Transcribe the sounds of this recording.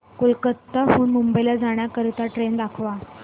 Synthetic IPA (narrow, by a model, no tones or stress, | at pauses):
kulkət̪ːəɦuːnmumbəjlad͡zaɳ̃jakəɾt̪aʈɾend̪akʰʋa